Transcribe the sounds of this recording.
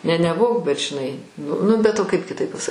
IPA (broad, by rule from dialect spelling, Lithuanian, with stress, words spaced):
nʲɛ nʲɛˈbuɔ bʲɛt ʒʲɪˈnɐɪ n ˈnʊ bʲɛt oː ˈkɐɪp kʲɪˈtɐɪp pɐˈsɐ